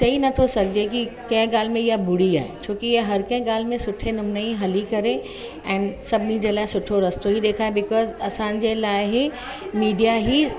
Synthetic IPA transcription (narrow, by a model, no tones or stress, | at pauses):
ʃɐinɐt̪ʰosɐk̚d͡ʑekikɐ̃ɪ̃ɡaːl̤mẽɪjabʊɽ̤ia̰ːet͡ɕʰoːkijaɦɐɾkɐ̃ɪ̃ɡaːlmẽsʊʈʰenʊmnaĩɦɐlikɐɾe | ɛ̃ːnsɐbnĩd͡ʑelaːɪsʊʈʰoɾɐst̪oɦiɗ̪eːkʰaːebɪkɔːzɐsãːnd͡ʑelaːɪɦ | miːɖijaɦi